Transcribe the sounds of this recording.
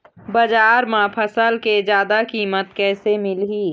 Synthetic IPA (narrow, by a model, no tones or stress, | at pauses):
bɐd͡ʒaːɾmãpʰəsəlked͡ʒjaːd̪akiːmət̪̚kɛːsemɪlɦiː